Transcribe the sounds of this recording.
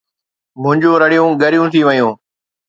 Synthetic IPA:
mʊ̃ɦɲd͡ʒũːɾəɽɪjũːɠəɾɪjũːt̪ʰiːʋəjũː

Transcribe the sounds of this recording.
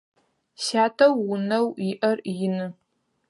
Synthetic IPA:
ɕaːtʰɐwːʊnɐwɪʔɐrjɪnɨ

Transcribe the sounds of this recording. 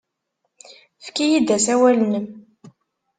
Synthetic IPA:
fkijid̪æsæwælnəm

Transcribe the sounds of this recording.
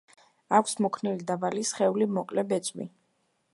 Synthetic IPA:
akʰsmɔkʰnilid̪abalisχɛulimɔkʼlɛbɛt̪sʼmḭ

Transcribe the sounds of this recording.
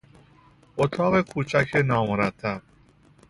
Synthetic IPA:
ʔot̪ʰɒːɣe̞kʰuːt͡ʃʰæcʰenɒːmoɾæt̪ʰːæb̥̚

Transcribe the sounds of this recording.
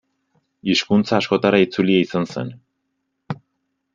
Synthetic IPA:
iʃkunt͡saːʃko̞t̪aɾait͡sulieisansḛn

